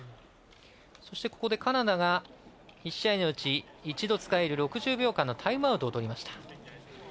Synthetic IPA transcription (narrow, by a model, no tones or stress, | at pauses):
so̞ɕi̥t̪e̞ko̞ko̞d̪e̞kanad̪aɡa | iɕːaino̞ɯ̟t͡ɕiː | t͡ɕid̪o̞t͡sɨ̥kae̞ɾɯ̟ɾo̞kɯ̟ʑɨːbʲo̞ːkãnːo̞t̪ʰaimaɯ̟t̪oːt̪o̞ɾʲimaɕi̥t̪ḁ